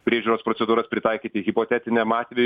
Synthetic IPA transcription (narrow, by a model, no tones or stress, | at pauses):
pʲɾʲiɛʒʲuːɾoːspɾosʲɛd̪uːɾɐspʲɾʲɪt̪ɑɪkʲiːt̪ʲɪɣʲɪpot̪ʲæt̪ʲɪnʲɛmɑːt̪ʲʋʲɛj